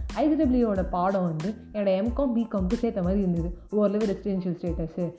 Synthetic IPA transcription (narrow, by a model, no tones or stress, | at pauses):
ɐɪsɾɐblioːɽɐpaːɽõːʋɐnd̪ɯ | ɛnɐɽɐɛmkõːmbiːkɐmkɯseːt̪ɐmaːd̪ɾiɾɯnd̪ɯðɯoːɾlɐʋɐɾɛsɪɾɛnʃɐlsʈeːʈɐsɯ